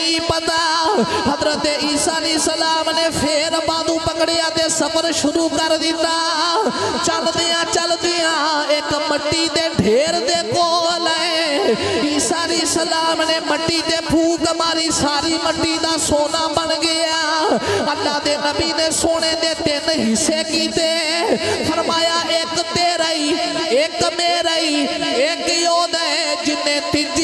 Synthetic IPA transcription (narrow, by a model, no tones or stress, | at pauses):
ipəd̪aɦəd̪ɾət̪eiːsaːlɛeːsəlaːmnepʰeːɾbaːd̪ũːpəkɽɪjãt̪eːsəpəɾʃʊɾuːkəɾd̪ɪt̪aː | t͡ʃəld̪ijãt͡ʃəld̪ijãːeːkməʈːit̪eːɖʱeːɾd̪eːkoləe | iːsaːliːsəlaːmneːməʈːiːt̪eːpuːkəmaːɾisaːɾiːməʈːiːd̪aːsoːnaːbənɡeãəlːãːd̪eːnəbiːneːsoːɽeːd̪eːt̪eːnɦɪseːkiːt̪eːpʰəɾmaːjaːʔeːkt̪eːɾəiːeːkmeːɾəieːkjoːd̪əd͡ʒɪnːẽːt̪ɪd͡ʒ